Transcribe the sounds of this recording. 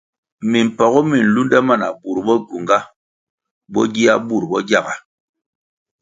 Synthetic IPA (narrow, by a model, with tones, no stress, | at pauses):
mi˨m̩˨pa˨ɣɔ˦mi˨n̩˨lu˦nda˦ma˦˨na˨bu˨ɾbɔ˦ɡu˨ŋɡa˦ | bɔ̰˦ɡi˦a˦bu˦˨ɾbɔ˦ɡja˦˨ɡa˨